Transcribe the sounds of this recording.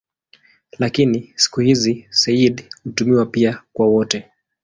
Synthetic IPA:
lakinisi̥kuhizisɛiɗhutumiwapiakwawɔtɛ

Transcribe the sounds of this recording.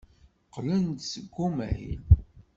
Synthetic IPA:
qlənt̪səɡːumæ̰jḭn

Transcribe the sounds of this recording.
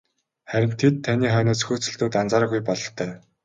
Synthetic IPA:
χæɾʲɪ̆m̥t̪ʰːet̪ʰːaniːχœːnɔːsxuːt͡sɵ̆ɮt̪ɵ̆ːt̪ant͡saːɾ̆ɣujpɔɮɞ̆ɬt̪ʰœː

